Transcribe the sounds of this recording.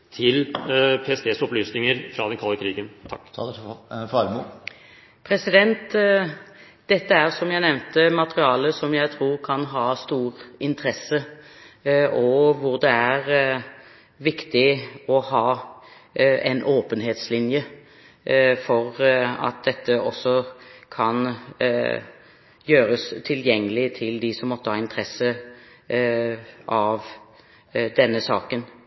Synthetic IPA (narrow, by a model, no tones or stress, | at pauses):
t̪ʰɪlpʰeːɛsd̪eːsɔplyːsnɪŋəɾfɾɑd̪ɛnkʰɑlːəkʰɾiːɡənt̪ʰɑkː | fɑlmu | pʰɾɛsɪd̪ɛnt̪ | d̪ɛt̪ːəæɾsɔmjæɪnɛʋnt̪əmɑt̪əɾɪɑːləsɔmjæɪt̪ʰɾuːɾkʰɑnɦɑːst̪uːɾɪnt̪ʰəɾɛsːə | ɔʋʊʁd̪ɛæɾ | ʋɪkt̪ɪɔhɑː | ɛ̰nʔoːpənɦeːt̪slɪnjə | fɔɾɑ̰t̪̚d̪ɛt̪ːəɔsːɔkʰɑn | jøːɾəst̪ʰɪljɛŋːəlɪt̪ʰɪld̪ɪsɔmːɔt̪ːəhɑːɪnt̪ʰʁɛsːə | ʔɑʋ | d̪ɛnːəsɑːkən